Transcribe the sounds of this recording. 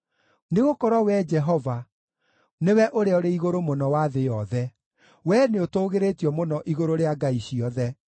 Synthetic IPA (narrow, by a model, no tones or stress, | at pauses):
neɣokɔɾɔwɛd͡ʒɛɦɔva | newɛʔoɾeɔɾeiɣoɾomonɔwaðejɔðɛ | wɛneotoːɣeɾetiɔmonɔʔiɣoɾoɾeaɡaiɕiɔðɛ